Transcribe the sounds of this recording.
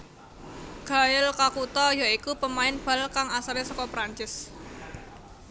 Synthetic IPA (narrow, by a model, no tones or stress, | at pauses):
ɡ̥a̤jɪlkakut̪ɔjaikupəmaɪnb̥a̤lkaŋasaɾɪsɔkɔpɾaɲt͡ʃɪs